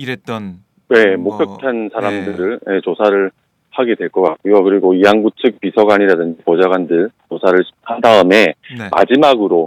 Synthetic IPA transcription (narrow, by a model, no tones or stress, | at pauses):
n | ne̞mok̚p͈jʌk̚tʰansʰaɾamdɯɾɯɭje̞t͡ɕosʰaɾɯɭ | haɡe̞dwe̞ɭk͈ʌk͈at̚k͈ujokɯɾiɡoiaŋɡut͡ɕʰɯk̚p͈isʰʌɡwaɲiɾadɯnd͡ʑipʌd͡ʑaɡwandɯɭt͡ɕosʰaɾɯɭhandaɯme̞ma̰d͡ʑimaɡɯɾo